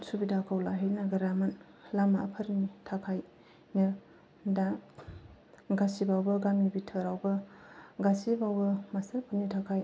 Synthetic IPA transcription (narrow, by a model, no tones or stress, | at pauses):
subidakʰawlaɦenaɡɐɾaman | lamaʔapʰɐɾnitʰakʰaj | nɐ | da | ɡasibawbɐɡamibitʰəɾawbɐɡasibawbɐmasɐɾpʰunitʰakʰaj